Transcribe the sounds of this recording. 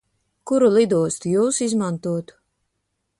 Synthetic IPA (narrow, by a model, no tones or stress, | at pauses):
kuɾulˠid̪uɔst̪ujuːsizmant̪uɔt̪u̥